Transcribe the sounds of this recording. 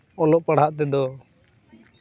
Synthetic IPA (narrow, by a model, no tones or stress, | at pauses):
ɔlɔʔpaɽ̤aʔt̪ɛd̪ɔ